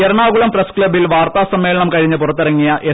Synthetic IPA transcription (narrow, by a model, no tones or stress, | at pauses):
eɾɐɳaːɣuɭɐmprɐskɭɐbilʋaːrt̪aːsɐmːe̞ːlɐɳɐmkɐɻiɲːɨpurɐt̪ːɐrɐŋːijɐʔe